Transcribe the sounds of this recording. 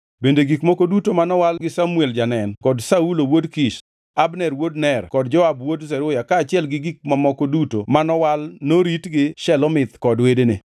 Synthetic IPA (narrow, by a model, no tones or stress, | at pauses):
bendeɡikmɔkodutomanɔwalɡɪsamueld͡ʒanɛnkɔdsaulowodkiʃ | abnɛɾwodnɛrkɔdd͡ʒɔabwodzɛɾʊjakaːt͡ʃɪɛlɡɪɡik̚mamɔkodutomanɔwalnoɾitɡɪʃɛlɔmɪt̪kɔdwedene